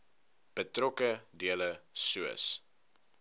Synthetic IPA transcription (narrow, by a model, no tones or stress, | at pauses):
b̥ətrɔkədiələsuə̰s